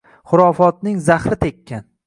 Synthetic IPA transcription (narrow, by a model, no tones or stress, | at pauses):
χʊɾɒfɒt̪̚nɪŋzaχɾɪt̪ʰekʲʰːan